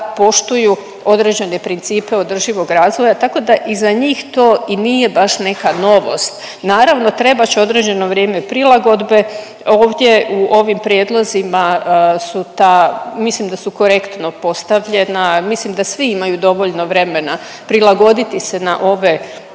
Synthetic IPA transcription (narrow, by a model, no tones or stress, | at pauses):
po̞ʃt̪uju | o̞d̪ɾe̞d͡ʑe̞ne̞pɾint̪siːpe̞o̞d̪r̩ʒiʋo̞ɡɾaːzʋojat̪ako̞d̪aʔizaɲiːxt̪o̞ːiniːje̞baʃne̞kano̞ʋo̞̰st̪ | naːɾaʋno̞t̪ɾe̞bat͡ɕeo̞d̪ɾe̞d͡ʑe̞no̞ʋɾje̞ːme̞pɾilˠaɡo̞d̪be̞ | o̞ːʋd̪ʲje̞uʔo̞ʋimpɾjed̪lˠozimasut̪amislimd̪asuko̞ɾe̞kt̪no̞po̞st̪aʋʎe̞namislimd̪asʋiimajud̪o̞ʋo̞ʎno̞ʋɾe̞me̞na | pɾilˠaɡo̞d̪it̪ise̞naʔo̞ʋe̞